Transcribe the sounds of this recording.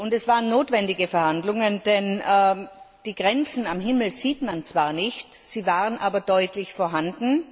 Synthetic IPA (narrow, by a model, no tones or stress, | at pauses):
ʔʊntɛsv̥aːʁənːoːtv̥ɛndɪɡəfɛɐhandlʊŋənd̥ɛnɛː | d̥iːɡ̥ʁɛnt͡sn̩amɦɪml̩ziːtmant͡sv̥aːɐnɪçtsiːvaːʁənʔaːbɐdɔʏtʰlɪçfoːɐɦandn̩